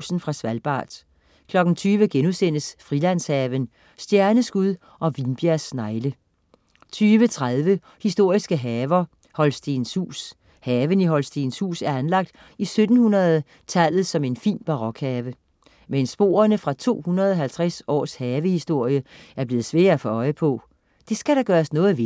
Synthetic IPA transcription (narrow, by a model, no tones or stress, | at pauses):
sn̩fʁɑ̈sʋælb̥ɑ̰̈ːd̥ | kʰlɒ̽ɡ̥n̩t͡sʰyːʋəɡ̥enusenəsfʁilæn̰shɛːʋən | sd̥jæɐnəsɡ̥uðˠ | ʔɒ̽ʋinb̥jæɐsnɑ̈ɪlə | t͡sʰyːʋət͡sʰʁaðˠʋə | hisd̥o̝ɐ̰isɡ̥əɦɛːʋɐ | hɒ̽lsd̥e̝nshṵːs | hɛːʋəniɦɒ̽lsd̥enshṵːsæɐænlɑ̈ɡ̥̚d̥ | isød̥n̩hunɐðˠ | t͡sʰæl̰ð̩ˠsɒ̽me̝nfḭːnb̥ɑ̈ʁɒ̽ɡ̥hɛːʋə | mensb̥o̝̰ːɐnəfʁɑ̈t͡sʰo̝̰ːhunɐðˠɒ̽ɦælt͡sʰʁasɒ̰ːshɛːʋəhisd̥o̝ɐ̰jəæɐb̥le̝ːð̩ˠsʋḛːɐfɒ̽ɒ̽ɪəpʰɔ̽ | d̥e̝sɡ̥æɾ̥ɑɡ̥ɶːɐsnɔ̽ːð̩ˠʋ